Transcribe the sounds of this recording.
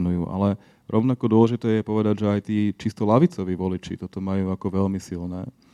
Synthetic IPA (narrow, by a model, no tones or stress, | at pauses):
nujuːʔa̰lɛ | ɾʔɔʊnakɔd̪ʊɔlɛʒit̪ɛːjɛpɔʋɛd̪aɟʒɛajt̪iːt͡ʃist̪ɔlaʋit͡sɔʋiːʋɔlit͡ʃḭt̪ɔt̪ɔmajuːakɔʋɛlmisilnɛː